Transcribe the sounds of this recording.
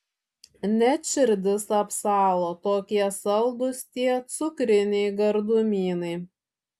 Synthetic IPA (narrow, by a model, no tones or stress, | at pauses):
nʲɛʃʲɪɾʲd̪ʲɪsɐpsɑːlˠoːt̪oːkʲiɛsɐlˠd̪ʊst̪ʲiɛt̪sʊkɾʲɪnʲɛɪɡɐɾd̪ʊmʲiːnɐɪ